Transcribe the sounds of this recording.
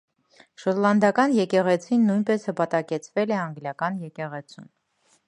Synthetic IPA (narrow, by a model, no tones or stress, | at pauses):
ʃɔt̪lɑnd̪ɑkɑnjɛkɛʁɛt͡sʰinːujnpɛshəpɑt̪ɑkɛt͡sʰvɛlɛɑŋɡljɑkɑnjɛkɛʁɛt͡sʰṵn